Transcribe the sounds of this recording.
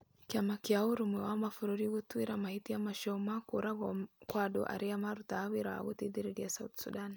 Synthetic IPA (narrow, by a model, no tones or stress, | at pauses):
kjamakiauɾumɛwamafuɾuɾiɡut̪uiɾamahit̪iamaʃɔmakuɾaɡɔkwadɔ̰ʔa̰ɾiamaɾut̪awiɾa̰ɡut̪id̪iɾɛdiasaut̪sṵdan